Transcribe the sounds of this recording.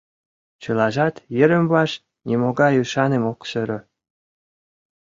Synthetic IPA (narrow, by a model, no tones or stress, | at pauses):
t͡ɕɤlɑʒɑt̪jɘ̆ɾə̆mβɑʃ | nʲʔimoɡɑjyʃɑnemokʃə̆ɾɤ̆